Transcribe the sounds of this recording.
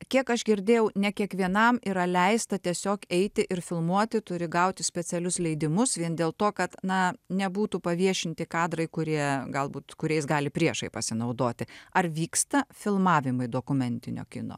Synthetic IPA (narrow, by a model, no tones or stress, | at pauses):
kʲiɛkɐʒɡʲɪɾʲd̪ʲeːjɛʊnʲɛkʲiɛkʋʲiɛnɐmiːɾɐlʲɛɪst̪ɐt̪ʲiɛsʲoːkɛɪt̪ʲɪʔɪɾfʲɪlˠmuɔt̪ʲɪt̪ʊɾʲɪɡɐʊt̪ʲɪsʲpʲɛt͡s̪ʲɛlʲʊslʲɛɪd̪ʲɪmʊsʋʲiɛnd̪ʲeːlˠt̪oːkɐt̪nɐnʲɛbuːt̪upɐʋʲiɛʃʲɪnʲt̪ʲɪkɑːd̪ɾɐɪkʊɾʲiɛɡɐlˠbuːt̪kʊɾʲɛɪs̬ɡɑːlʲɪpʲɾʲiɛʃɐɪpɐsʲɪnɐʊd̪oːt̪ʲɪɐrʋʲiːkst̪ɐfʲɪlˠmɑːʋʲɪmɐɪd̪oːkʊmʲɛnʲt̪ʲɪnʲo̰ːkʲɪ̰no̰ː